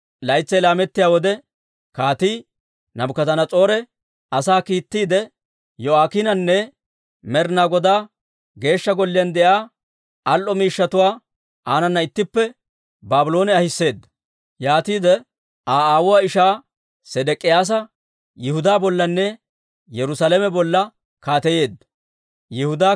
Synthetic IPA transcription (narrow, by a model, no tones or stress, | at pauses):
lɐjt͡sːɛjlaːmɛt̪ːɪjaːwɔd̪ɛ | kaːt̪iː | nɐbʊkɐzɐnɐt͡sʼo̞ːɾɛ | ɐsaːkiːt̪ːiːd̪ɛ | jɔaːkɪnɐnːɛ | mɛɾnaɡɔd̪aː | ɡe̞ːʃːɐɡɔlːɪjɐnd̪ɛʔaː | ɐlʔɔmiːʃːɐt̪ʊwaː | ʔaːnɐnːɐɪt̪ːɪpːɛ | baːbʊlo̞ːnɛɐhɪsːe̞ːd̪ːɐ̥ | jaːt̪iːd̪ɛ | aːaːwʊwaːɪʃaː | sɛd̪ɛkʼːɪjaːs̬ɐ | jɪhʊd̪aːbɔlːɐnːɛ | jɛɾʊsaːlɛmɛbɔlːɐ | kaːt̪ɛje̞ːd̪ːɐ | jɛhʊd̪aː